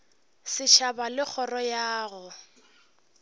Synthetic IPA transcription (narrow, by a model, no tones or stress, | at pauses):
sɪʃabalɪk͡xʰɔrɔjaːɣʊ